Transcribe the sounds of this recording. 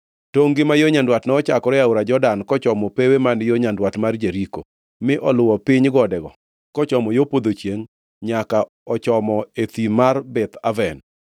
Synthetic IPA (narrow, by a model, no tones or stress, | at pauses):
toŋɡɪmajoɲandwatnɛɔt͡ʃakɔɾɛaʊɾad͡ʒɔdankɔt͡ʃɔmɔpewemanjoɲandwatmard͡ʒeɾiko̰ | mɪʔɔlʊwɔpɪɲɡɔdɛɡɔ | kɔt͡ʃɔmɔjopod̪ot͡ʃjeŋ | ɲaka | ɔt͡ʃɔmɔet̪imarbɛt̪avɛn